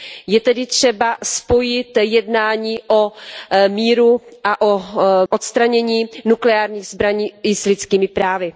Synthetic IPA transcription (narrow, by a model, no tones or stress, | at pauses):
jɛt̪ɛdɪt̪r̝̥ɛbaspo̞jɪt̪jɛdnaːɲiːʔo̞miːɾuʔaʔoʔot̪st̪ɾaɲɛɲiːnuklɛaːɾɲiːɣzbɾaɲiːɪslɪtt͡skiːmɪpɾaːvɪ